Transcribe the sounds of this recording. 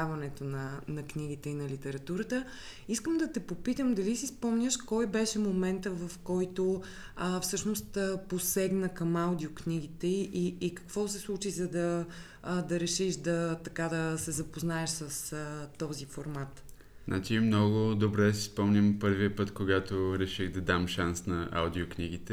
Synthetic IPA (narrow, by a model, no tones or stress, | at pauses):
avɐnɛt̪onɐnɐknʲiɡ̟it̪ɛinɐlit̪ɛɾɐt̪uɾət̪ə | iskəmd̪ɐt̪ɛpopit̪əmd̪ɐlisispɔmnʲəʃkɔjbɛʃɛmomɛnt̪əvɐfkɔjt̪o | əfsɤʃnost̪əposɛɡnəkɐmaʊd̪ioknʲiɡ̟it̪ɛiʔiːkɐ̥kvɔsɛslˠut͡ʃizɐd̪ɐ | d̪ɐɾɛʃiʃd̪ɐt̪ɐkad̪ɐsɛzɐpoznaɛʃsɐsət̪ɔzifoɾmat̪ | znʔa̰t͡ʃimnɔɡʊd̪obɾɛd̪ɐsispɔmnʲəmpɤɾviəpɤt̪koɡat̪oɾɛʃiɣd̪ɐd̪amʃansnɐʔa̰wd̪iokniɡit̪ɛ